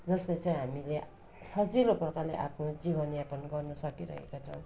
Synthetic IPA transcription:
d͡zʌslet͡saj̃ɦamile | sʌd͡zilopʌrkaleʔa̰pʰnod͡zibʌnjapʌnɡʌrnʌsʌkiɾʌ̰ɦḛkat͡sʰʌ̰w̃

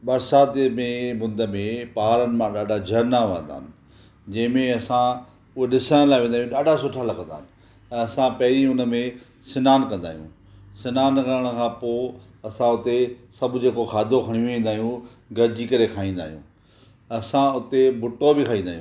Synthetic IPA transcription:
ɓɐɾsaːt̪mẽmʊ̃nd̪əmẽpaːɾənɪ̆mãɗaːɖʱad͡ʑʱɐɾnaʋə̃nd̪a̰ːɪnɪ̆ | d͡ʑɐ̃ɦɪ̃mẽɐsã | ʊɦeɗɪsəɽ̃laːʋẽːnd̪aːɦjũɗaːɖʱasʊʈʰalakə̃nd̪a̰ːɪnɪ̃ | ɐsãpɐɦɾiʊnmẽ | sɪnaːnkɐ̃nd̪a̰ːɦijṵ̃ː | sɪnaːnkəɾəɽ̃ə̆kʰãːpoː | ɐsãʊt̪esɐbʱd͡ʑeːkokʰaːd̪ʱokʰɐɽ̃ijõẽːnd̪aːɦijũ | ɡɐɾd͡ʑikɐɾekʰaːĩːn̆d̪a̰ːɦijṵ̃ː | ɐsãʊt̪ebʱʊʈːobɪkʰaːĩːnd̪aːɦjũː

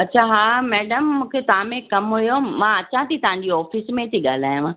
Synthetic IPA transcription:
ɐtːt͡ɕʰaɦaːmɛːɖəmːũːkʰet̪ɐɦãmẽkɐmɦujomãːɐt͡ɕʰãt̪ʰit̪ɐʋɦãɲ̆d͡ʑiɔːfismẽt̪ʰiɠaːl̤aːjũãː

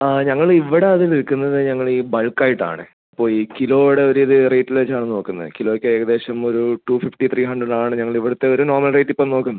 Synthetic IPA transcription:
ɲɐŋːɐɭiʋːiɽe̞ɐðiliɻkːunːɐðɨɲɐŋːɐɭiːbɐɭkːaːjiʈːa̰ːɳɨ̰ | ipːo̞ːɭiːkilo̞ːʋiɽe̞oɾuiðɨrejtːilʋet͡ɕːaːɳɨno̞ːkːunːɐ̰ðɨ̰kiloːokːeeːɡɐðe̞ːɕɐmo̞ɾuʈufifʈit̪ʰriːɦɐɳɖrɐɖaːɳɨɲɐŋːɐɭiʋːiɽɐt̪ːe̞o̞ɾunoːrmɐlrejtːipːɐmno̞ːkːunːɐɨ

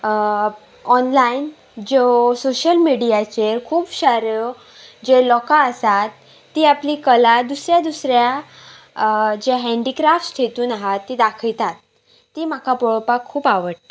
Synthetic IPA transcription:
ɔnlain | d͡ʑosoɕəlmiɽijat͡ɕeɾkʰuːbɕaɾjo | d͡ʑelɔkaəsat̪ː | iːapliːkəlad̪usɾjad̪usɾja | d͡ʑeɦɛ̃ɳɖikɾafʈsʈ̪ʰet̪uːnaɦat̪ːid̪akʰəlt̪at̪ː | iːm̤akapɔɭɔpakʰːuːpaʋəʈ

